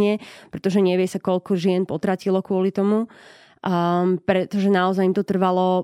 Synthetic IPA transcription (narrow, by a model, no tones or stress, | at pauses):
ɲɛpɾɛt̪ɔʒɛɲɛʋɪɛsakɔʎkɔʒɪɛnpɔt̪ɾacilɔkʊɔlit̪ɔmu | pɾɛt̪ɔʒɛnaɔzajimt̪ɔt̪r̩ʋalɔ